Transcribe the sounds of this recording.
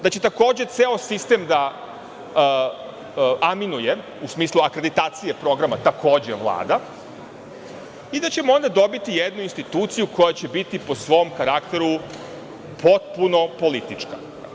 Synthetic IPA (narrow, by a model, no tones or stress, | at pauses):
d̪at͡ɕe̞t̪ako̞ːd͡ʑe̞t̪seosist̪emd̪a | aminuje̞ | usmiːslˠuakɾe̞d̪it̪aːt̪sije̞pɾo̞ɡɾamat̪akʰo̞ːd͡ʑeʋlˠa̰ːd̪a | id̪at͡ɕe̞moo̞nd̪ad̪obit̪ijed̪nuinst̪it̪uːt̪sijuko̞jat͡ɕe̞bit̪ipo̞sʋo̞mkaɾakt̪e̞ɾu | pʰo̞t̪̚puno̞po̞lit̪it͡ʂka̰